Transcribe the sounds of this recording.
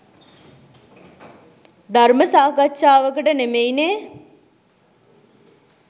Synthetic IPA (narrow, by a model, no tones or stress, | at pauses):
d̪aɾməsaːɡatːʃaːʋəkəʈənemejneː